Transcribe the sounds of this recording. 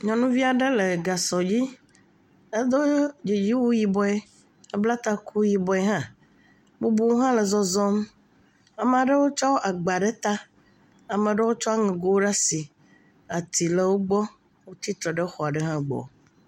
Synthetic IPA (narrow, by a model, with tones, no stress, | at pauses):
ɲɔ̃˨nũ˦vi˦a˨ɖe˦le˨ɡa˨sɔ˨d͡ʑi˦ | e˦d̪o˦d͡ʒi˨d͡ʑi˦wo˦ji˨bɔ˦e˦ | e˦bla˦t̪a˦kʰu˦ji˨bɔ˦e˦ɦã˦ | bo˦bu˦wo˦ɦã˦le˨zɔ˦zɔ˦m | a˨mẽ˨a˨ɖə˦wo˦t͡ʃɔ˦wʔa˨ɡ͡ba˨ɖe˦t̪a˦ | a˨mɛ̃˨ɖe˦wo˦t͡ʃɔ˦a˦ŋɛ̃˨ɡo˦wo˦ɖa˦si˨ | a˨t̪i˨le˨wo˦ɡ͡bɔ˦ | wo˦t̪i˦t̪ɾɔ˨ɖɛ˦xɔ˨a˨ɖɛ˦ɦã˦ɡ͡bɔ̰˨